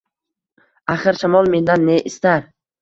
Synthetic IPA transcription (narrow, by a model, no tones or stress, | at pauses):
aχɨɾʃamɒlˠme̞nd̪anːeʔɪst̪aɾ